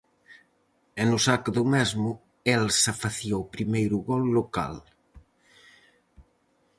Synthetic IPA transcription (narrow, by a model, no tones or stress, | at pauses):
enusakðumɛzmʊ | elsafaθiowpɾimejɾuɣɔlːoka̰l